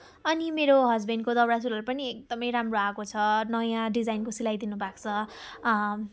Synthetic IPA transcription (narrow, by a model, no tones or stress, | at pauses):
ʌnimeɾoɦʌd͡zbinkod̪ʌbɾasulʌɾupʌniek̚d̪ʌmʌjɾamroakot͡sʰʌnʌjãɖid͡zajnkosilajd̪inubakt͡sʰʌ